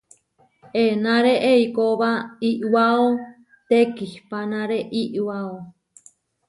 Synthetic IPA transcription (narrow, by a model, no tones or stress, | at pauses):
enãɾeʔeikoβaiʔwao | t̪ekihpanãɾeʔiʔwao